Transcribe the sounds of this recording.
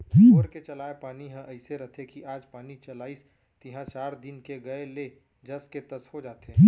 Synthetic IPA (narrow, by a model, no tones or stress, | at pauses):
ɾket͡ʃɐlaːepaːniɦə̃ʔəɪseɾɐɦt̪ʰekiʔaːd͡ʒpaːnit͡ʃɐlaːis | t̪ɪɦãt͡ʃaːɾd̪ɪnkeɡɐele | d͡ʒɐsket̪ɐsɦod͡ʒaːt̪e